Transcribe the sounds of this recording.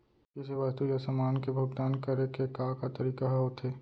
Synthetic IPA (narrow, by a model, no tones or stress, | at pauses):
kɪseʋast̪ujasəmaːnkebʱʊɡt̪aːnkəɾekekakat̪əɾiːkaɦɦot̪ʰeː